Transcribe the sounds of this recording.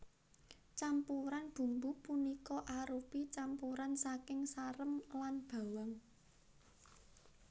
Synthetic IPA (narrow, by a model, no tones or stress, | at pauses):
t͡ʃampuɾanb̥ṳmbupunikɔʔaɾupit͡ʃampuɾansakɪŋsaɾəmlanb̥a̤waŋ